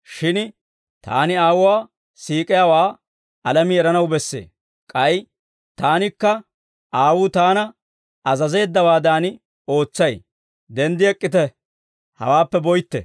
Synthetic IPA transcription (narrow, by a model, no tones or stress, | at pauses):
ʃɪn | t̪a̰ːnɪaːwʊwaː | siːkʼɪjaːwaː | ɐlɐmɪɛɾɐnɐwbɛsːḛː | kʼɐj | t̪aːnɪkːɐ | aːwuːt̪aːnɐ | ɐzɐze̞ːd̪ːɐwaːd̪aːnɪ | o̞ːt͡sːɐj | d̪ɛnd̪ɪɛkʼːɪt̪ɛ | hɐ̰waːpːɛbɔjt̪ːɛ̰